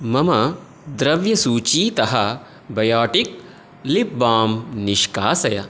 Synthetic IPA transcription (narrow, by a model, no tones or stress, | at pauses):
mɐmɐ | d̪ɾɐʋjɐsuːt͡ʃiːt̪ɐɦɐ | bɐjaːʈik̚ | lipbaːmniʃkaːsɐjɐ